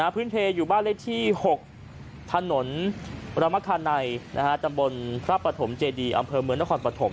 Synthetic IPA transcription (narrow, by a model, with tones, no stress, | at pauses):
a˦˥pʰɯː˦˥˩npʰeː˧juː˨˩baː˥˩nle˦˥˩t̪ʰiː˥˩ho˨˩k̚ | t̪ʰa˧no˩˦nɾa˧ma˦˥kʰaː˧nːa˧jnʔa̰˦˥kʰa˦˥t͡ɕa˧mbo˧npʰɾaː˦˥˩pːɾa˧t̪ʰo˩˦mt͡ɕeː˧diː˧ʔa̰˧mpʰɤː˧mɯ˧əŋna˦˥˩kʰɔː˧npɾa˧t̪ʰo˩˦m